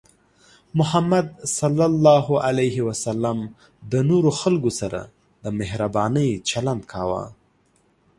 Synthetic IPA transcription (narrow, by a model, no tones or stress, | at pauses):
mʊhamːad̪̚salːalːɑɦoʔalajɦiwasalːam | d̪ənoɾoxalɡosaɾa̰ | d̪əmɪhɾabɑnəjt͡ʃaland̪̚kʰɑwa̰